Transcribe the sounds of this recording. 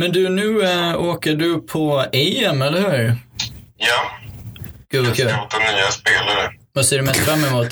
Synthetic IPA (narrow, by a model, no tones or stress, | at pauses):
mɛnd̪ɵnʉ̟ːoːkəɖɵpʰɔɛjɛmɛlːəɾhʉːɾ | ja | ɡ̥ʉ̟ːvvakʰʉ̟ːt̪ːanyːaspeːlaɾəvaseːɖɵmɛst̪fɾamːɛmuːt̪